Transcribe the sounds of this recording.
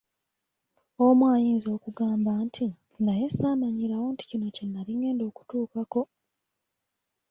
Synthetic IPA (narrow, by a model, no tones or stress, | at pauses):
omwaːjiːnzo̞ːkuɡaːmbantʰi | najesaːmaɲiɾawo̞nti̥cino̞cenːaliŋɡe̞ːndo̞ːku̥tuːkako̞